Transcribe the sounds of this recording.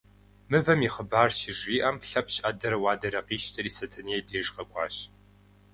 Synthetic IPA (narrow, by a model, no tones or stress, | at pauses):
mɨvɐmiχəbaːrʃɪʒiːʔɐmɬɐpʰɕʼʔɐdɐɾɐwɑːdɐɾɐqiːʃtʰɐɾiːsɐtʰɨnieːdeːʐʼqɐkʷʼɑ̰ːɕ